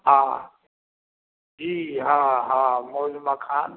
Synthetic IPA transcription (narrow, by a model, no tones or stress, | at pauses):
ɦaː | d͡ʒiːɦaːɦamolimakʰaːn